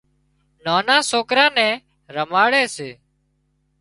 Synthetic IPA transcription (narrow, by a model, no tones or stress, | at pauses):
naːnãːsoːkɾãːnɛ̃ː | ɾəmaːɽɛːseː